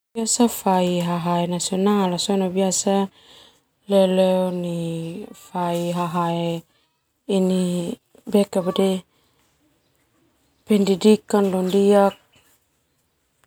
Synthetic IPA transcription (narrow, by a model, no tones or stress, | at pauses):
iasafaiɦaɦaenasiɔnalasɔnabiasa | lɛlɛɔnifaiɦaɦae | ini | bɛkabedɛ | pɛndidikanlɔndiak̚